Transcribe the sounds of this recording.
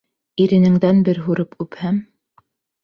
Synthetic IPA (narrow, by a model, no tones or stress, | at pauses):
iɾɘ̆nɘ̆ŋd̪ænbɘɾɦuɾɤpʉphæm